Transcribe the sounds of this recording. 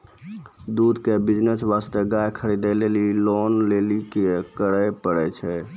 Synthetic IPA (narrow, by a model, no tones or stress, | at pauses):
d̪ud̪ʱkebid͡ʒnəsʋast̪eɡajkʰəɾid̪əlelilonlelikekəɾəjpəɽɛt͡ʃʰɛ